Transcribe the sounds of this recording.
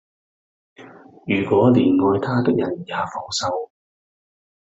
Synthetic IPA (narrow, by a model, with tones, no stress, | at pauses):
jyː˨˩kʷɔː˨˥liː˨˩nŋɔː˨˧jt̪ʰaː˥t̪ɪ˥k̚jɐ˨˩njaː˨˧fɔː˨˥wsɐ˧w